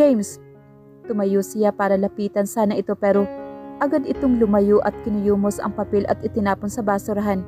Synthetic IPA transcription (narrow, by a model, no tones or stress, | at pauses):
ejms | t̪ʊmɐjosɪjapaːɾɐlɐpiːt̪ɐnsaːnɐʔɪt̪o̞pɛːɾoʔɐɡad̪ɪt̪oŋlʊmɐjoʔɐt̪̚kɪnʊjuːmo̞sɐ̰ŋpɐpɛlʔɐ̰t̪ɪt̪ɪnaːponsɐbaːsʊɾɐɦan